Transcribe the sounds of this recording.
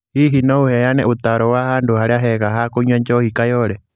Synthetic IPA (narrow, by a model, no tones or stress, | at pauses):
hiɦinouhɛjanɛʔut̪aɾɔwahanduhaɾɛaɦɛkaɦakuɲwaɲt͡ʃɔhikajɔɾɛ